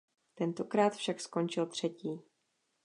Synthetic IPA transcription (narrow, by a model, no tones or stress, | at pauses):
t̪ɛnt̪o̞kɾaːt̪fʃaksko̞nt͡ʃɪlt̪r̝̥ɛciː